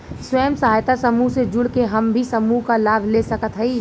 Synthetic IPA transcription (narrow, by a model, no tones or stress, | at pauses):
swəːmsəɦaːjt̪asəmuɦsed͡ʒʊɽkeɦəmbʱisəmuɦkalaːbʱlesəkət̪ɦɛi